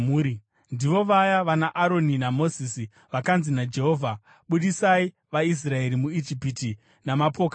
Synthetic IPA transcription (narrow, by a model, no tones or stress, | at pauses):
muːɾi | ndiʋo̞ʋajaʋanaʔaɾo̞ninamo̞zisi | ʋakanzinad͡ʒe̞ɦo̞ːvʱa | ɓuɗisai | ʋais̬rae̞ɾimuid͡ʒipiti | namapo̞ːka